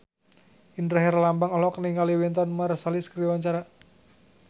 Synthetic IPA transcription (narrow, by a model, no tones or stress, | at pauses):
ʔindɾaɦɛrlambaŋɔlɔkəniŋaliwint̪ɔnmarsaliskɾiwaɲt͡ʃaɾa